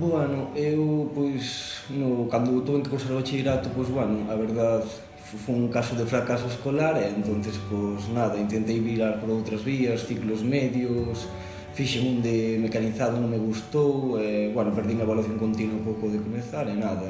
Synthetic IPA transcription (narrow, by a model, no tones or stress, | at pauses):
bwɛnʊewpɔjsnokand̪ʊt̪uβẽŋkekonseɾβat͡ʃeɾat̪ʊpojzβwɛnʊʔaβeɾðað | fojuŋkasʊðefɾakasoeskolaɾɛːnt̪on̟θɪsposnaðɐint̪ent̪ejβiɾaɾpoɾowt̪ɾɐzβiɐsθiklʊzmɛðjʊs | fiʃeŋũnd̪emekaniθaðʊnõŋmeɣust̪owɛβwɛnʊpeɾðiŋɐβalwaθjoŋkont̪inwɐpowkoðekomeθaɾɛnaðɐ